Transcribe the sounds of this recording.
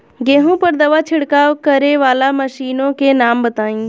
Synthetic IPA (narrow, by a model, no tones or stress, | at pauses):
ɡẽːɦõpɐɾd̪ɐʋat͡ʃʰɪɽkaːʋkɐɾeʋaːlamɐʃiːnõkenaːmbɐt̪aːĩː